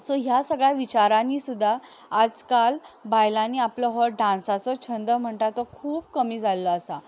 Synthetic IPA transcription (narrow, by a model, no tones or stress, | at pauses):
soɦjasəɡɭjaʋit͡ɕaɾãniːsud̪ʱːaː | d͡zkalbajlãniapləɦəɖãnsat͡sɔt͡ɕʰənd̪əm̤əɳʈ̪at̪ɔkʰuːp̚kəmiːd͡zʱalːəːsa